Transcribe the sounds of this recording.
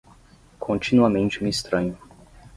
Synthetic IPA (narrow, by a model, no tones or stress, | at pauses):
kʰõnt̪inuamẽnt͡ʃemist̪ɾaɲu